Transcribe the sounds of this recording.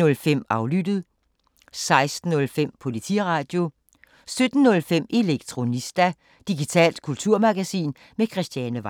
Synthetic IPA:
ɔ̽lfem̰ɑ̈ʊlyd̥ð̩ˠ | sɑ̈ɪsd̥n̩ːɔ̽lfem̰pʰo̝lit͡sʰiʁɑ̈ːd̥jo̝ | sød̥n̩ːɔ̽lfem̰ʔe̝leɡ̥̚t͡sʰʁo̝nisd̥æ | d̥iɡ̥it͡sʰɛ̰ːld̥kʰult͡sʰuɐ̰mɑ̈ɡ̥æsḭːn | mekʰʁɛsd̥jɛnəʋɑ

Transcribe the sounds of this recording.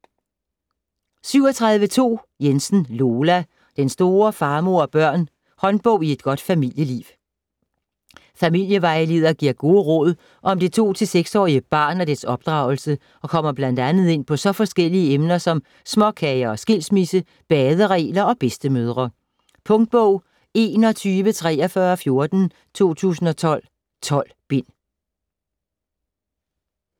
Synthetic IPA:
syʊ̰ɒt͡sʰʁɑ̈ðˠʋət͡sʰo̝̰ː | jensn̩lo̝ːlæ | d̥ensd̥o̝ːɐfɑ̈ːmo̝ɐ̰ɒb̥ɶɐ̰n | hɒ̽nb̥ɔ̽ʊ̰ie̝d̥̚ɡ̥ɒ̽d̥fæmil̰jəlḭːʊ | fæmil̰jəʋɑ̈ɪle̝ðˠɐɡ̥iɐ̰ɡ̥o̝ːəʁɔð̞ˠ | ʔɒ̽md̥it͡sʰo̝̰ːt͡sʰe̝lseɡ̥sɒ̰ːiəb̥ɑ̰̈ːnæd̥æɐsɒ̽b̥̚d̥ʁɑ̈ʊl̩sə | ʔɒ̽kʰɒ̽m̰ɐb̥læn̰d̥ænð̞̩ˠe̝n̰pʰɒ̽sɒ̽fɒ̽sɡ̥el̰iəemnɐsɒ̽m | smɒ̽kʰɛɪɐɒ̽sɡ̥e̝l̰smisə | b̥ɛːð̞ˠəʁɛ̰ːlɐɒ̽b̥esd̥əmøːð̞ˠʁɐ | pʰɔ̽ŋd̥̚b̥ɔʊ̰ | e̝̰ːnɒ̽t͡sʰyːʋət͡sʰʁɛ̰ːɒfɶːɐfjo̝ɐd̥n̩ | t͡sʰo̝̰ːt͡sʰṵːsn̩ɒ̽t͡sʰɒ̽l̰ | t͡sʰɒ̽l̰b̥en̰

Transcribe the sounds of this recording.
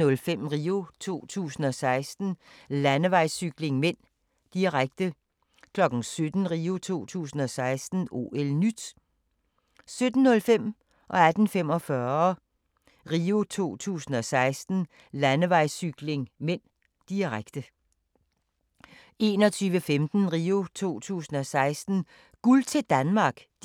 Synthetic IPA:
ɔ̽lfem̰ʁiːo̝t͡sʰo̝̰ːt͡sʰṵːsn̩ɒ̽sɑ̈ɪsd̥n̩lænəʋɑ̈ɪ̰syɡ̥le̝ŋmen̰ | d̥iʁaɡ̥̚d̥ə | kʰlɒ̽ɡ̥n̩sød̥n̩ʁiːo̝t͡sʰo̝̰ːt͡sʰṵːsn̩ɒ̽sɑ̈ɪsd̥n̩o̝̰ːelnyd̥ | sød̥n̩ːɔ̽lfem̰ | ʔɒ̽æd̥n̩fem̰ɒ̽fɶɐ | ʁiːo̝t͡sʰo̝̰ːt͡sʰṵːsn̩ɒ̽sɑ̈ɪsd̥n̩ | lænəʋɑ̈ɪ̰syɡ̥le̝ŋmen̰ | d̥iʁaɡ̥d̥ə | e̝ːnɒ̽t͡sʰyːʋəfemd̥n̩ʁiːo̝t͡sʰo̝̰ːt͡sʰṵːsn̩ɒ̽sɑ̈ɪsd̥n̩ | ɡ̥ult͡sʰe̝d̥ænmɑ̈ːɡ̥

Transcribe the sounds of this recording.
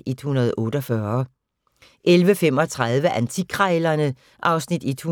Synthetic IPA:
ʔed̥hunɐð̞ˠɔ̽ːɾ̥ɒfɶɐ | ʔelʋəfem̰ɒ̽t͡sʰʁaðˠʋəʔænt͡sʰikʰʁalɐnə | ʔɑ̈ʊsnid̥ed̥hu

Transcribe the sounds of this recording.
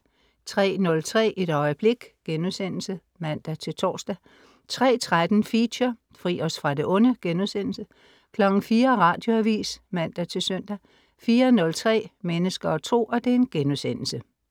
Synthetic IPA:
t͡sʰʁɛ̰ːnɔ̽lt͡sʰʁɛ̰ːʔe̝ɾ̥ɒ̽ɪəb̥le̝ɡ̥ɡ̥enuðˠsen̰l̩sə | mæn̰d̥æt͡sʰe̝lt͡sʰɒ̰ːsd̥æ | t͡sʰʁɛ̰ːt͡sʰʁad̥n̩fiɕɐ | fʁḭːɒ̽sfʁɑ̈d̥e̝ʔɔ̽nəɡ̥enuðˠsen̰l̩sə | kʰlɒ̽ɡ̥n̩fiːɐʁɑ̰̈ːd̥jo̝æʋḭːsmæn̰d̥æt͡sʰe̝lsøn̰d̥æ | fiːɐnɔ̽lt͡sʰʁɛ̰ːmenəsɡ̥ɐɒ̽t͡sʰo̝̰ːɒ̽d̥e̝enɡ̥enuðˠsen̰l̩sə

